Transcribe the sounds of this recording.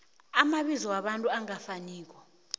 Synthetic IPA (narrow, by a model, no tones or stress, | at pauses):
amaɓizɔwaɓantʼuaŋafaniːk̬ɔ